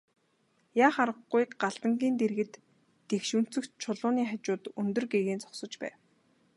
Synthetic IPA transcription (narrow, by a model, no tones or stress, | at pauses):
jaːχaɾə̆ɢːujkɢaɮt̪ə̆ŋɡʲiːnt̪eɾɣɘ̆t̪ː | exʃun̥t͡sɵ̆kt͡ɕʰʊɮʊːniːχat͡ɕʊːt̪ɵnt̪ɵ̆rɡeɣeːnt͡sɔ̥ksɞ̆t͡ɕpæ̰ː